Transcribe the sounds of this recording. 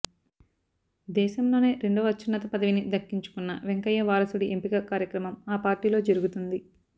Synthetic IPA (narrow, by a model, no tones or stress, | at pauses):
d̪ɛːʃɐmlo̞ːne̞ːɾe̞ɳɖoːɐtːt͡ʃːunːɐt̪ɐpɐd̪ɐʋinid̪ɐkːiɲt͡ʃu̥kunːɐʋeŋkɐjːɐʋaːɾɐsuɽiʔempiɡɐkaːɾjɐkɾɐmɐmaːpaːɾʈiːlo̞ːd͡ʒɐɾuɡut̪und̪i